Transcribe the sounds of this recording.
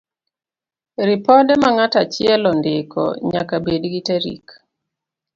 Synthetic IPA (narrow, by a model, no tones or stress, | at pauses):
ɾɪpɔdɛmaŋatat͡ʃɪɛlɔndɪkʰɔ̰ɲa̰kabedɡiteɾḭk